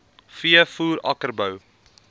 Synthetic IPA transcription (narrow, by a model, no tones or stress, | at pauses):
fiəfuːɾɐ̰kərbəw